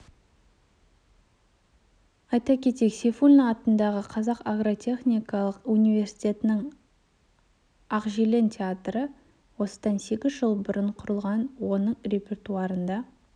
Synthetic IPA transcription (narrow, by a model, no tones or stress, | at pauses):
ɑjt̪ɑkʲʰe̞t̪ekse̞fulʲnɑt̪ənd̪ɑʁəqʰɑzɑqaɡro̞t̪ʲʰe̞χnʲijkɑlˠəqunivʲe̞rsi̥t̪ʲe̞t̪ɪnɪŋ | aqʒilʲe̞ntʲʰeat̪rə | wo̞sə̥d̪ɑnse̞ɡʲɪzʒəlˠbʊɾəɴqʰʊɾəlˠʁɑnwo̞nəɴrʲe̞pʲe̞rt̪uɑɾənd̪ɑ